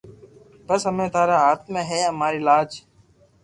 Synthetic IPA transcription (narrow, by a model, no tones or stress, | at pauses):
bəsɦəmẽːt̪aːɾaːɦaːt̪̚ʰmẽːɦɛːəmaːɾiːɪlaːd͡ʒ